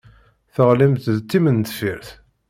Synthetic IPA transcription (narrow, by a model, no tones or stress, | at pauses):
θəʁlimt̪ðt̪ːimənt̪fiɾθ